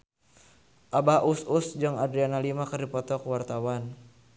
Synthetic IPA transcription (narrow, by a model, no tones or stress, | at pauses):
ʔabaʔususd͡ʒɨŋadɾianalimakərdipɔt̪ɔkuwart̪awan